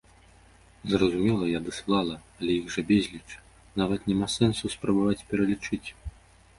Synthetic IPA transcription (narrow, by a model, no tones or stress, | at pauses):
zrɐzumʲɛlˠɐjad̪ɨslˠalˠɐɐlʲɛjiɣʐɐbʲɛzʲlʲit͡ʂ | navɐt̪nʲɛmasɛnsuspɾɐbavat͡sʲpʲɛɾɐlʲit͡ʂɨt͡sʲ